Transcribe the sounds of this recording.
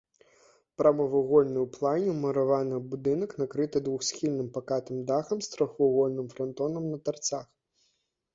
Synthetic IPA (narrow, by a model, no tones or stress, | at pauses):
pɾɐmɐvɨɣɔlʲnɨwplˠanʲɛwmɐɾavanɨbud̪ɨnɐknakɾɨt̪ɨd̪vuxsʲxʲilʲnɨmpakat̪ɨmd̪axɐmst̪ɾɔxvɐɣɔlʲnɨmfɾɐnt̪ɔnɐmnɐt̪art̪sax